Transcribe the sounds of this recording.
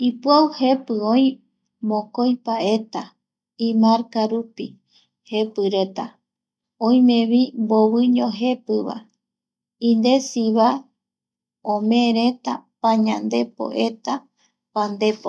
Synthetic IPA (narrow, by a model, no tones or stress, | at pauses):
ipuawhe̞pɨõj̃ | mõkojpae̞t̪a | ĩmãɾkaɾupi | he̞pɨɾe̞t̪a | õj̃mẽ̞βimboβɨɲõɦe̞pɨβa̰ | ĩnd̪e̞siβa | õmẽɾe̞t̪apãɲãnd̪e̞po̰ʔe̞t̪a | pand̪e̞po